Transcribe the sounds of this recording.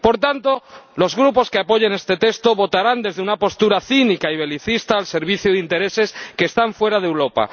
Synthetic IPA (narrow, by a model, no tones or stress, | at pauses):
po̞ɾt̪ant̪o̞lo̞zɣɾupo̞skeapo̞ʝene̞st̪e̞t̪e̞st̪o̞βo̞t̪aɾand̪e̞zðeunapo̞st̪uɾaθinikaiβ̞e̞liθist̪aːlse̞ɾβ̞iθjuðint̪e̞ɾe̞se̞skeːst̪aɱfwe̞ɾað̞ewɾo̞pa̰